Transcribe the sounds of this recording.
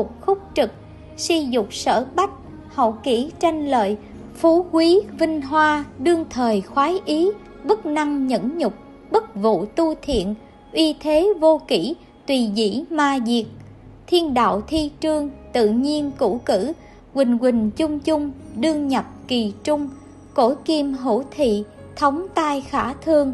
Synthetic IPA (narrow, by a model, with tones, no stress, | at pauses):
ʊ˨˩k͡p̚xʊ˦˥k͡p̚t͡ɕɨ˨˩k̚ | si˧zʊ˨˩k͡p̚sə̰ː˧˩ɓa˦˥k̚ | hə̰˧˨wki˧˩˥t͡ɕa˧jŋ̟lə̰ː˧˨j | fu˨˦kwi˨˦vï˧ŋ̟ɦwaː˧ɗɨ˧əŋt̪ʰəː˨˩jxwaː˨˦jʔi˨˦ | ɓə˦˥k̚na˧ŋɲə̰˧˥nɲʊ˨˩k͡p̚ | ɓə˦˥t̚vṵ˧˨t̪u˧t̪ʰḭ˧˨ən | ʔi˧t̪ʰe˨˦vo˧ki˧˩ | t̪wi˨˩zḭ˧˩maː˧zi˨˩ək̚ | t̪ʰi˧ənɗa̰ː˧˨wt̪ʰi˧t͡ɕɨ˧əŋt̪ɨ̰˧˨ɲi˧ənku˧˥kɨ˧˩ | kwï˨˩ŋ̟ɣwï˨˩ŋ̟t͡ɕʊ˧ŋ͡mt͡ɕʊ˧ŋ͡mɗɨ˧əŋɲə˨˩p̚ki˨˩t͡ɕʊ˧ŋ͡m | ko˧˩jki˧mɦṵ˧˩t̪ʰḭ˧˨ | t̪ʰə˨˦wŋ͡mt̪aː˧jxaː˧˩t̪ʰɨ˧əŋ